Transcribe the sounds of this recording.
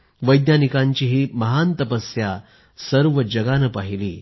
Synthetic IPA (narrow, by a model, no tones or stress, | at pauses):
ʋəjd̪njanikãɲt͡ɕiːɦiːməɦant̪əpəsja | səɾʋəd͡ʑəɡanəpaɦilḭː